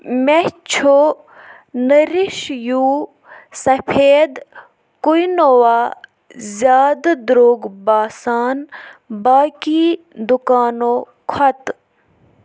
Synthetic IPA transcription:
met͡ʃʰo | nəɾiʃjuː | sɐpʰeːd̪ | kujnowaː | zjaːd̪d̪ɾoːɡbaːsaːnbaːki | d̪ukaːno | kʰɐt̪

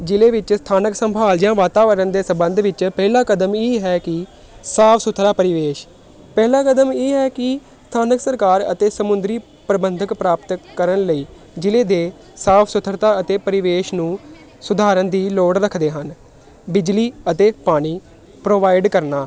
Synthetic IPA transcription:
d͡ʒɪleːʋɪt͡ʃst̪ʰaːnəksəmbʱaːld͡ʒɪjãːʋaːt̪aːʋəɾənd̪eːsəmbənd̪ʱʋɪt͡ʃpɛːlaːkəd̪əmeːɦɛːkɪ | saːpʰsʊt̪ʰɾaːpəɾɪʋeːʃ | pɛːlaːkəd̪əmeːɦɛːkɪ | st̪ʰaːnəksəɾkaːɾə̰t̪eːsəmʊnd̪ɾiː | pɾəbənd̪ʱəkpɾaːpt̪kəɾənləiː | d͡ʒɪleːd̪eː | saːpʰsʊt̪ʰəɾt̪aːət̪eːpəɾɪʋeːʃnũː | sʊd̪ʱaːɾənd̪iːloːɽɾəkʰd̪eːɦən | bɪd͡ʒliːət̪eːpaːɽ̃iː | pɾoːʋaːɪɖkəɾnaː

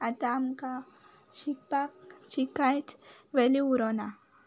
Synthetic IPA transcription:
at̪amka | ʃikpakʃikajt̪ʰʋeliuɾona

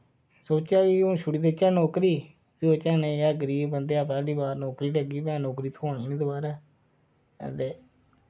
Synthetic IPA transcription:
soːt͡ʃaːiːõʃʊɽiːd̪eːt͡ʃãːnɔːkɾiː | piːoːt͡ʃɛːnẽːjaːɡəɾiːbbənd̪eːaːpaːɖiːbaːɾnɔːkɾiːʈəɡiːpɛ̃ːnɔːkɾiːt̪ʰoːɳiːniːd̪oːbaːɾɛ̰ː | t̪eː

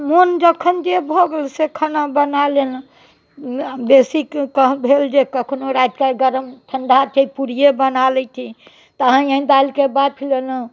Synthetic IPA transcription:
mond͡ʒəkʰənd͡ʒebʱoɡelsekʰanabənalen | besikkəɦbʱeld͡ʒekəkʰnoɾajt̪kaɡəɾəmʈʰəɳɖʱat̪ʰipuɾijebənalɛt̪ʰi | t̪əɦə̃ə̃ĩd̪alkebad̪̚pʰilenə

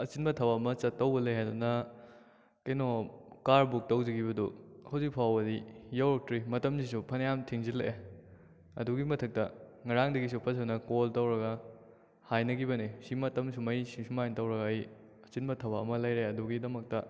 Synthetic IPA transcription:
ɐt͡ʃinbɐtʰɐbamɐt͡ʃɐtːɐwbɐleɦajdunɐ | kɐjnokaɾbuk̚tɐwzɐɡibɐdṵhɐwzik̚pʰawɐdijawɾok̚tɾimɐtɐmsis̬upʰɐnjamtʰiŋzile | ɐduɡimɐtʰɐk̚tɐŋɐɾaŋdɐɡisupʰɐsʰɐnɐkoltɐwɾɐɡɐ | hajnɐɡibɐnisimɐtɐmsumɐjsisumajntɐwɾɐɡɐɐj | ɐt͡ʃinbɐtʰɐbaɐmɐlɐjɾeɐduɡidɐmɐk̚tɐ

